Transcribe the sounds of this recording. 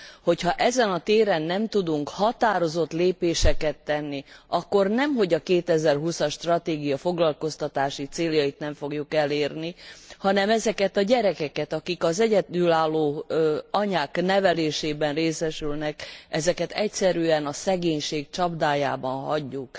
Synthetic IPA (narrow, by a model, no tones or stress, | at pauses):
ho̞chɒʔɛzɛnɒt̪eːɾɛnːɛmt̪ud̪uŋkhɒt̪aːɾo̞zo̞t̪leːpeːʃɛkɛt̪ːɛnːiɒkːo̞rnɛmɦo̞ɟɒkeːt̪ɛzɛrɦusɒʃːt̪rɒt̪eːɡijɒfo̞ɡlɒlko̞st̪ɒt̪aːʃit̪seːljɒit̪nɛɱfo̞ɡjukɛleːrnihɒnɛmɛzɛkɛt̪ɒɟɛɾɛkɛkɛt̪ɒkikɒzɛɟɛd̪ylaːlːoːɒɲaːknɛvɛleːʃeːbɛnreːsɛʃylnɛkɛzɛkɛt̪ɛcsɛɾyɛnɒsɛɡeːɲʃeːk̚t͡ʃɒbd̪aːja̰ːbɒnɦɒɟːuk